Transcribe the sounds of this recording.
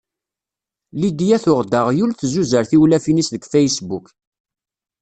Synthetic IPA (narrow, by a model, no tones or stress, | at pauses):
lid̪jæθʊʁd̪aʁjulθzuzəɾθiwlæfinisðəɡfæjsbuk